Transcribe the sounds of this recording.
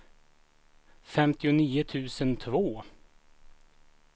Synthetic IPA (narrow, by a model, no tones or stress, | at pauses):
fɛmt̪ɪʊniːʊt̪ʰʉ̟ːsənt̪ʰvoː